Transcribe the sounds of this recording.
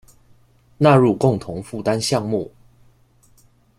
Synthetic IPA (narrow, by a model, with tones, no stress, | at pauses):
na˥˨ɻu˥˨kʊ˥˨ŋt̪ʰʊ˨˦ŋfu˥˨t̪a˦nɕjɑ˥˧ŋmu˥˨˩